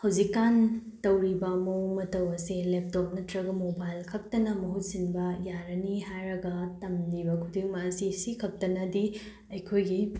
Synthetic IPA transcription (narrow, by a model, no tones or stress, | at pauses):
hɐwzikːantɐwɾibɐmowmɐtɐwɐselep̚top̚nɐtɾɐɡɐmobajlkʰɐk̚tɐnɐmɐɦut̚sinbɐjaɾɐniɦajɾɐɡɐtɐmnibɐkʰudiŋmɐːsisikʰɐk̚tɐnɐdi | ɐjkʰojɡi